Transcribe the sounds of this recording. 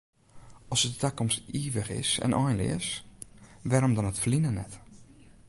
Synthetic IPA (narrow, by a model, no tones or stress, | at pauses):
ɔsədətɛkɔmstiːʋəxɪ̰sɛ̰nʔɔjnlɪ̰ɪs | ʋɛːɾomdɔnətflinənɛt